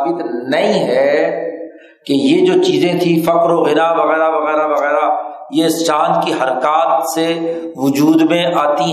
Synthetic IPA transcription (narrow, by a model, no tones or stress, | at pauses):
bɪt̪nɐɦĩɦɛ | kejed͡ʒoːt͡ʃiːzẽt̪ʰĩfɐkɾoɣɪɾaʋɐɣɛːɾaʋɐɣɛːɾaʋɐɣɛːɾa | jeɪst͡ʃãːnd̪kiɦɐɾkaːt̪se | ʋʊd͡ʒuːd̪mẽʔaːt̪i